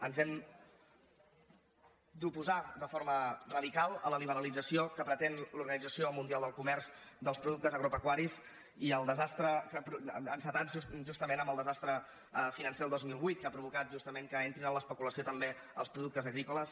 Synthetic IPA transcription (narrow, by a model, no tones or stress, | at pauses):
ənzɛm | d̪upuzad̪əfoɾmərəðikalˠələliβ̞əɾəlid͡zəsiokəpɾət̪enluɾɣənid͡zəsiomund̪ialˠd̪əlˠkumɛrz̥ | d̪əlspɾuðuk̚t̪əzəɣɾupəkwaɾiz | iəlˠd̪əzast̪ɾəkəpɾuənsət̪at̪ʒuʒust̪əmenəməlˠd̪əzast̪ɾə | finənselˠd̪ozmilˠβujt̪̚kapɾuβ̞ukat̪̚ʒust̪əmeŋkəent̪ɾinənləspəkuləsiot̪əmbe | əlˠspɾuðuk̚t̪əzəɣɾikuləs